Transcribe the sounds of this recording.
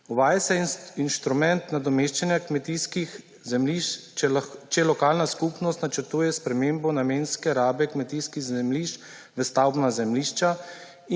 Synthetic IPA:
uʋaːjasɛinst̪ɾumɛnt̪nad̪ɔmeːʃt͡ʃanjakmɛt̪iskix | zɛmliʃ | t͡ʃɛlɔkaːlnaskupnɔst̪nat͡ʃəɾt̪uːjɛspɾɛmeːmbɔnameːnskɛɾaːbɛkmɛt̪iːskiɣzɛmliːʃt͡ʃ | ʋəst̪awbnazɛmliːʃt͡ʃa

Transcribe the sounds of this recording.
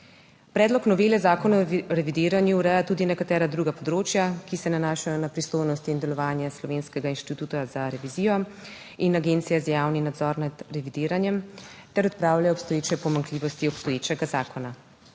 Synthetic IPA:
pɾɛːd̪lɔknɔʋelɛzaːkɔnaɔɾɛʋid̪iːɾanjuːɾɛjat̪ud̪inɛkat̪ɛːɾad̪ɾuːɡapɔd̪ɾoːt͡ʃjakisɛnanaːʃajɔnapɾist̪ojnɔst̪iːnd̪ɛlɔʋaːnjɛslɔʋeːnskɛɡainʃt̪it̪uːt̪azaɾɛʋizijɔ | inaɡeːnt̪sijazjaːwninad̪zɔɾnad̪ɾɛʋid̪iːɾanjɛmt̪ɛɾɔt̪̚pɾaːwlajɔpst̪ɔjeːt͡ʃɛpɔmaŋkliːʋɔst̪iɔpst̪ɔjeːt͡ʃɛɡazaːkɔna

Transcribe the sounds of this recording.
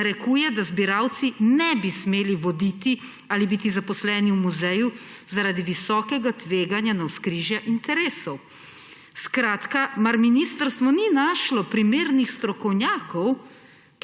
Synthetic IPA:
ɾɛkuːjɛd̪azbiɾawt̪sinɛbismeːliʋɔd̪it̪i | alibiːt̪izapɔslɛːniwmuzɛjuzaɾaːd̪iʋisɔːkɛɡat̪ʋeːɡanjanawskɾiːʒjaʔint̪ɛɾeːsɔw | skɾaːt̪kamaɾminist̪əɾst̪ʋɔninaːʃlɔpɾimeːɾnixst̪ɾɔkɔwnʲjaːkɔw | k

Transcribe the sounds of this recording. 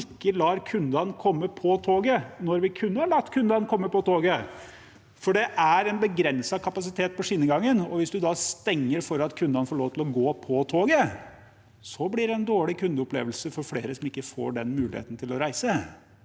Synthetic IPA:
ɪkːəlɑːɾkʰʉnd̪ɑnkʰɔmːəpʰɔt̪ʰoːɡənɔɾʋɪkʰʉnːəhɑɭɑt̪ːkʰʉnd̪ɑnkʰɔmːəpɔt̪ʰoːɡə | fɔɖɛʔæɾɛnbəɡɾɛnsɑkʰɑpɑs̬ɪt̪ʰeːt̪̚pɔʂɪnəɡɑŋːənɔʋɪsd̪ʉd̪ɑst̪ɛŋːəɾfɔɾɑt̪kʰʉnd̪ɑnəfoːɭoːʋt̪ʰɪlɔɡoːpʰɔt̪ʰoːɡə | sɔblɪɾɛnd̪oːɭɪkʰʉnd̪əɔplḛːʋəlsəfɔɾfleːɾəsɔmɪkːəfo̰ːɖɛnmʉːlɪhḛːt̪ən̩t̪ɪlɔɾæɪsə

